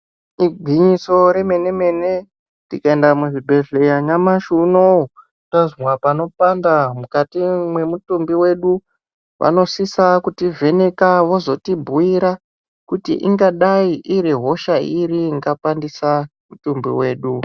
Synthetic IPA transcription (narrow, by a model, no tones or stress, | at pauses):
iɡʱwiɲiso̞ɾe̞me̞ne̞me̞ne̞ | tikaendamuʐibʱe̞ɮejaɲamaʃuno | tazmwapano̞pandamukatimwe̞mutumbiwe̞ɗu | ʋa̰no̞sisakutive̞ne̞kaʋo̞zo̞tibʱuiɾa | kutḭʔḭŋɡaɗaiʔiɾiɦo̞ʃaiɾiŋɡapandisamutumbḭwe̞ːɗu